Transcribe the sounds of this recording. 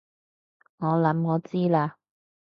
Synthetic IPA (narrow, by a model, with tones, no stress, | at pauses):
ŋɔː˨˧lɐ˨˥mŋɔː˨˧˦t͡siː˥laː˧